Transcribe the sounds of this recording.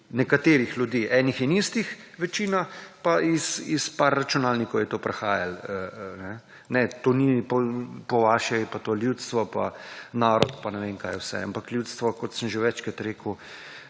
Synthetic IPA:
nɛkat̪eːɾixljud̪iːʔɛnixinist̪ixʋɛt͡ʃiːnapaisispaɾːat͡ʃunaːlnikɔwjɛt̪oːpɾɛxaːjalənɛ | nɛt̪oːnipɔpɔʋaːʃɛpat̪oːljut̪st̪ʋɔpa̰naːɾɔt̪panɛʋeːŋkaːjɛwsɛ̰a̰mpakljut̪st̪ʋɔkɔt̪səmʒeʋɛt͡ʃkət̪ɾeːkw

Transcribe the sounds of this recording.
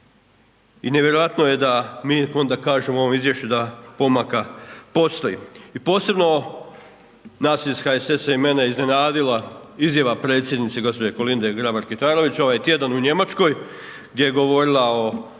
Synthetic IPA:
ineʋjeɾo̞ʋat̪noje̞d̪amiːo̞nd̪akaːʒemoo̞ʋo̞mizʋje̞ʃt͡ɕud̪apo̞makapo̞st̪o̞jḭipo̞ːse̞bno̞ | naːsisxaese̞saime̞neizne̞naːd̪ilaizjaʋapɾet̪sʲje̞d̪nit̪seɡo̞spo̞d͡ʑeko̞lind̪eɡɾabaɾkit̪aːɾo̞ʋit͡ɕo̞ʋajt̪je̞d̪anuɲe̞mat͡ʃko̞j | ɡd̪ʲje̞jeɡo̞ʋo̞ɾilˠao̞

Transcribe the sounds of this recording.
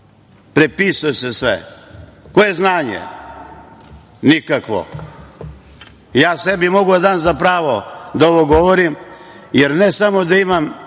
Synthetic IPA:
pɾepisujesesʋḛko̞je̞znaːɲḛ | nikakʋo̰ | jaːsebimo̞ɡuad̪aːnzapɾaːʋod̪aoʋoɡoʋoɾimjeɾnesamo̞d̪aimam

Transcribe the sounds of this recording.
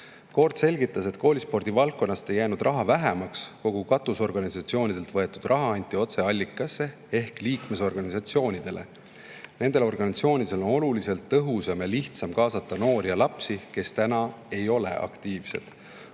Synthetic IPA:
ko̞rd̪se̞lɡit̪ːˑɑse̞t̪ko̞ːlispo̞rd̪̥ivɑlkːˑo̞nːɑst̪e̞jːæːnud̪̥rʔɑɦɑvæɦemɑksko̞ɡ̥ukɑt̪ːˑuso̞rɡ̥ɑnisɑt̪sio̞ːnʲid̪̥e̞lt̪vɤe̞t̪ːud̪̥rʔɑɦɑɑnʲt̪ʲːˑio̞t̪se̞ɑlʲːikːˑɑsːe̞ | e̞hkliːkme̞s̬o̞rɡ̥ɑnʲisɑt̪sio̞ːnʲid̪̥e̞le̞̰ | ne̞nd̪e̞lo̞rɡ̥ɑnʲit̪sio̞ːnʲid̪̥e̞lo̞no̞lulise̞lt̪ːɤɦusɑmjɑliht̪sɑmkɑːsɑt̪ːɑno̞ːɾjɑlɑpsike̞st̪ænɑ | e̞jo̞le̞̰ʔɑ̰kt̪iːv̥se̞̰d̪̥

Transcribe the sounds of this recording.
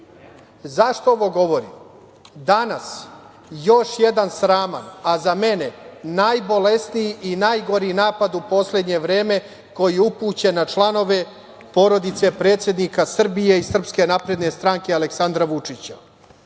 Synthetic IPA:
zaʃt̪ooʋo̞ɡo̞ʋo̞ɾḭm | d̪anas | jo̞ʃjed̪ansɾaːma̰nazame̞ne̞najbo̞le̞snijiʔinajɡo̞ɾinaːpad̪upo̞sle̞d̪ɲe̞ʋɾe̞ːme̞ | ko̞jiupuːt͡ɕe̞nat͡ʃlˠano̞ʋe̞ | po̞ɾo̞d̪it̪se̞pɾe̞ːt̪sje̞d̪nikasr̩bijeisr̩pske̞napɾe̞d̪ne̞st̪ɾaŋkealeksand̪ɾaʋut͡ʂit͡ɕa

